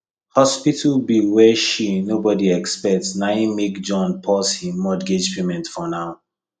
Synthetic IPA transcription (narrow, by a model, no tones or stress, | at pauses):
hɔspitʰəlbiwɛʃinobɔdiɛkspɛk̚tsnãɪ̃mekd͡ʒɔ̃npʰɔshĩmːɔdɡed͡ʒpʰemɛ̃ntfɔnaʊ